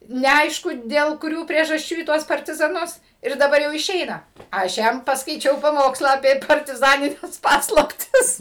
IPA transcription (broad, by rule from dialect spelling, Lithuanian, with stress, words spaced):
nʲɛˈɐɪʃkʊ dʲeːlˠ kʊˈrʲuː pʲrʲiɛʒɐsʲˈt͡ʃʲuː iː ˈtuɔs pɐrʲtʲɪzɐˈnʊs ɪr dɐˈbɐr jɛʊ ɪˈʃʲɛɪnɐ ɐʃ ˈjɛm pɐskɐɪˈt͡ʃʲɛʊ pɐˈmoːkslˠɑː ɐpʲiɛ pɐrʲtʲɪˈzɑːnʲɪnʲɛs ˈpɑːslˠɐpʲtʲɪs